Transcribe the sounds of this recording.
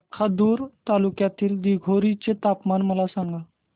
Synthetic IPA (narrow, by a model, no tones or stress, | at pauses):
kʰad̪uːɾt̪alukjat̪iːld̪iɡʱoɾit͡set̪apmanməlasãŋɡa